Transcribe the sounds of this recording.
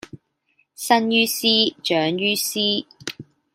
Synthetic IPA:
sɐ˥njyː˥siː˥t͡ʃœː˨˥ŋjyː˥siː˥

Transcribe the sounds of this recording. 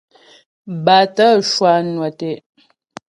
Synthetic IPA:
ba˨tə˦ʃwa˨nwa˨tɛ˨ʔ

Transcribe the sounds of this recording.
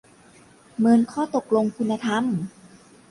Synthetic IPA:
mɤ˧nkʰɔː˥˩t̪o˨˩k̚lo˧ŋkʰu˧nːa˧t̪ʰa˧˥˩m

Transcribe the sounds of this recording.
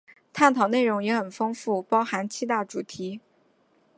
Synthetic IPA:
t̪ʰa˥˩nt̪ʰɑ˨˩ʊne˥˩ɪɻʊ˧˥ŋjɛ˧˥xə˨˩nfɤ˥ŋfu˥˩pɑ˥ʊxa˧˥nt͡ɕʰi˥˧t̪a˥˩ʈ͡ʂu˨˩t̪ʰi˧˥

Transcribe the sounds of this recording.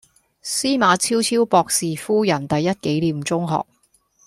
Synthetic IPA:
siː˥maː˨˧t͡sʰiː˥wt͡sʰiː˥wpɔː˧k̚siː˨fuː˥jɐ˨˩nt̪ɐ˨jːɐ˥t̚ke˨˥jliː˨˧mt͡sʊ˥ŋɦɔ̰ː˨k̚

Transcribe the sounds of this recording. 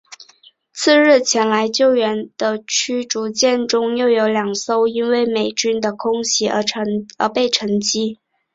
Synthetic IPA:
t͡sʰɹ̩˥˧ɻɻ̩˥˩t͡ɕʰjɛ˧˥nla˧˥ɪt͡ɕjo˥˩ʊɥɛ˧˥nd̪̥ə˧t͡ɕʰy˥ʈ͡ʂu˧˥t͡ɕjɛ˥˩nʈ͡ʂʊ˥ŋjo˥˩ʊjo˧˥ʊljɑ˨˩ŋso˥˩ʊi˥nwe˥˩ɪme˨˩ɪt͡ɕy˥nd̪ə˨kʰʊ˥ŋɕi˧˥ə̰˞˧˥ə̰˧˥pe˥˩ɪʈ͡ʂʰɤ˧˥ŋt͡ɕi˥

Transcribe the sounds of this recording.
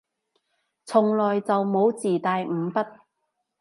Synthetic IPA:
t͡sʰʊ˨˩ŋlɔː˨jt͡sɐ˨wmo˨˧wt͡siː˨˩t̪aː˨jm̩ː˨˧pɐ˥t̚

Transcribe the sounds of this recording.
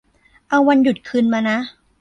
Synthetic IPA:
ʔa˧wːa˧nju˨˩t̪̚kʰɯ˧nmaː˧na˦˥

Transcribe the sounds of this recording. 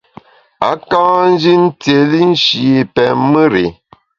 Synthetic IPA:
a̰˨˦kã˦n̩˦d͡ʒi˦n̩˦te˨li˦n̩˦ʃi˨pɛ˨mɨ˦ɾe˨

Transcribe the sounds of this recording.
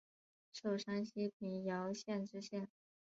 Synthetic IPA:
ʂo˥˩ʊʂa˥nɕi˥pʰi˧˥˩ŋjɑ˧˥ʊɕjɛ˥˩nʈ͡ʂɻ̩˥ɕjɛ˥˩n

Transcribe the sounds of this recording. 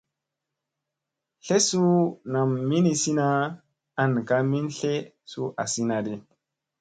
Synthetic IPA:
ɬe˦su˦na˨mːi˦ni˨si˦na˦ | a˨nka˦mi˦nɬe˦ | su˦ʔa˨si˦na˨de˨

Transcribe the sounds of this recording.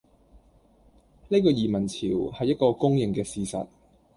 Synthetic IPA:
ne˥jkɔː˧jiː˨˩mɐ˨˩nt͡sʰiː˨˩whɐ˨jːɐ˥t̚kɔː˧kʊ˥ŋjɪ˨ŋkɛː˧siː˨˧sɐ̰˨t̚

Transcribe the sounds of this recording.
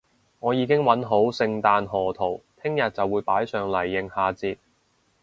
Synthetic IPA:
ŋɔː˨˧jiː˨˧˥kɪ˥ŋwɐ˨˥nɦo˨˥wsɪ˧ŋt̪aː˧nɦɔː˨˩t̪ʰo˨˩wt̪ʰɪ˥ŋjɐ˨t̚t͡sɐ˨wuː˨˧jpaː˨˥jsœː˨ŋlɐ˨˩jːɪ˨ŋhaː˧t͡siː˧t̚

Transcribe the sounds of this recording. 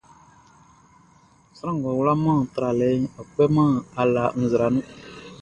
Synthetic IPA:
sɾã˦ŋ˨ɡɔ˨wla˦mãː˦˨n̩˨t̪ɾa˨lɛ˨˦ɔ˨k͡pɛ˦mã˦˨a˨la˨n̩˨zɨ˨ɾa˨nũ˦

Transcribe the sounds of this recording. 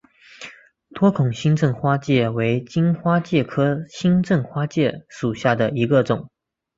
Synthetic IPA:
t̪ʰwɔ˥kʰʊ˨˩ŋɕi˥ŋʈ͡ʂɤ˥˩ŋxwa˥t͡ɕjɛ˥˩we˧˥ɪt͡ɕi˥nxwa˥t͡ɕjɛ˥˩kʰɤ˥ɕi˥nʈ͡ʂɤ˥˩ŋxwa˥t͡ɕjɛ˥˩ʂu˨˩ɕja˥˩d̪ə˩i˧˥ɡə˧ʈ͡ʂʊ˨˩˦ŋ

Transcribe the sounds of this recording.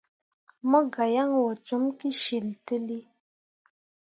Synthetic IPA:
mə˦ɡa˨ja˦ŋwɔ˨t͡ʃu˦mki˦ʃi˨ltə˦li˦

